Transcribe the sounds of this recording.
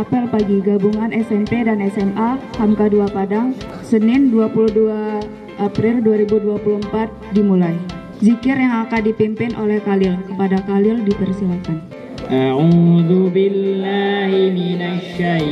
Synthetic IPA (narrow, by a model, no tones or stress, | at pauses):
apɪlpaɡiɡabuŋanʔɛsɛmpedanɛsɛmʔahamkaduapadaŋ | sənɪnduapuluhdua | ʔːpɾɪlduaɾibuduapuluəmpat̪̚dimulaj | zikɪrjaŋakandipimpɪnʔo̰lɛhkalɪləpadakalɪldipərsilakan | ʔaʕuðubilːahiminaʃaj